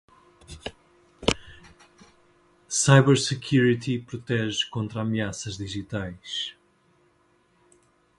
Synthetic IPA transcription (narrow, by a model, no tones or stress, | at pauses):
sajβɛɾsɨkʰjuɾit̪ipɾut̪ɛʒkõnt̪ɾamiasɐʒðiʒit̪ajʃ